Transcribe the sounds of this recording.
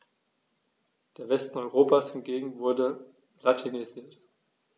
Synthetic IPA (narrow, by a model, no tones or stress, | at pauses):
d̥eːɐvɛstn̩ɔʏʁoːpashɪnɡeːɡŋ̩vʊɐdə | latʰiniziːɐt